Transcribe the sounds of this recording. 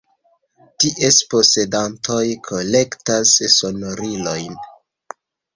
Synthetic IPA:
tiʔespose̞dantʰo̞jkʰo̞le̞ktasso̞noɾilo̞jn

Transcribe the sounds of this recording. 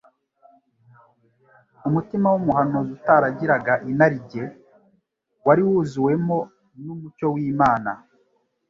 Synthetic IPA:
umutimawumuɦanozutaɾaɟiɾaɡaʔinaɾiɟe̞ | waɾiwuːzuwe̞mo̞ | numut͡ʃo̞wiːmaːna

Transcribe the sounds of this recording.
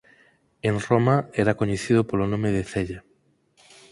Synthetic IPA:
eŋromaɛɾɐkoɲeθiðʊpolonõmeðeθɛʎa

